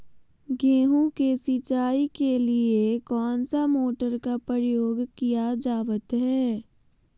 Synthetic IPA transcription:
ɡẽːɦũkesɪt͡ʃaːikeliekɔːnsamoːʈəɾkapɾəjoːɡkijad͡ʒaːʋət̪ɦɛː

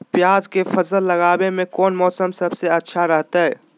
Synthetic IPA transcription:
pjaːzkepʰəsəlːɐɡaːbemẽkɔːnmɔːsəmsəbseɐtːʃʰaɾəɦt̪aɦɛː

